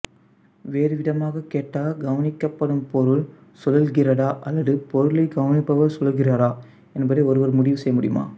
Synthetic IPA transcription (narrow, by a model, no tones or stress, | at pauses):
ʋeːɾɯʋɪðɐmaːɣɐkeːʈːaːɡɐʋɐnɪkːɐpːɐɽɯmpɔɾɯl | sɔlɐlɣɪɾɐɽaːʔɐlːɐðɯpɔɾɯlɐɪɡɐʋɐnɪpːɐʋɐɾsɔlɐɣɪraːɾaː | ɛnɐbɐðɪɔɾɯʋɐɾmʊɽɪʋɯsɛjːɐmʊɽɪjɯma̰ː